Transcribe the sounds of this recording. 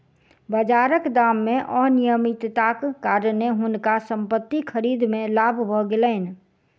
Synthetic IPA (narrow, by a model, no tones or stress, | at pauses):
bəd͡ʒaːɾəkd̪aːmːẽʔɔnijəmit̪t̪akːaːɾneɦʊnkasə̃mpət̪ːikʰəɾiːd̪mẽlaːbʱbʱɔɡeləɪn̆